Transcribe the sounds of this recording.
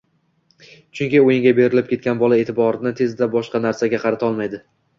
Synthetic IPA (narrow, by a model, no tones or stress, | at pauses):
t͡ʃʰʊŋkʲɪojɪŋɡʲabe̞ɾɪlɪp̚kʲe̞t̪̚kʲanbɒlae̞t̪ʰɪbɒɾɪnɪt̪ʰe̞zɪd̪abɒʃqɑnaɾsaɡʲaqʰɑɾat̪ɒlˠmajd̪ɪ